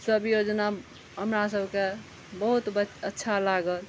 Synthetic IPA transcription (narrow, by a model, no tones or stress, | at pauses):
səbjod͡ʒna | ɦəmɾasəbʱke | bəɦut̪bəətːʃʰalaɡəl